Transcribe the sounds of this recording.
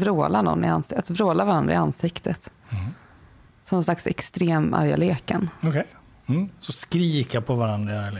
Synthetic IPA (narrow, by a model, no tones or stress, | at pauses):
vɾoːlanɔ̰nːɪansat̪vɾoːlavaɾand̪ɾaɪansɪkt̪ʰət̪ | sɔmɔnslaksɛ̰kst̪ɾeːma̰ɾja̰leːkənɔkʰɛj | m̩sɔskɾiːkapʰɔvaɾand̪ɾaɪaɾjal